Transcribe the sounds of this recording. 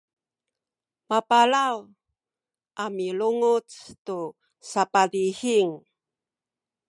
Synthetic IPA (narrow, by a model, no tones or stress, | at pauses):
mapalaw | ʔamiluŋut͡stu | sapadihiŋ